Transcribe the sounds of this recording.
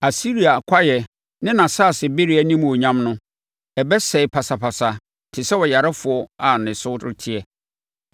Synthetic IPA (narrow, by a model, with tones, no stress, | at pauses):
a˨si˦ɾi˨a˨kʰʷa˦jɛ˨ | nɪ̃˦nã˨saː˦˨sɪ˨be˦ɾi˦a˦nĩ˦m̃˨o˨ɲã˦mnʊ̃˦ | ɛ˨bɛ˦sɛ˨ɪ˨pʰa˨sa˨pʰa˨sa˨ | tʰɪ˨sɛ˦wɔ˨ja˨ɾa˦fʊ˨ɔ˦a˨nɪ̃˨sʊ˦dɪ̰˦tʰɪ˦ɛ˨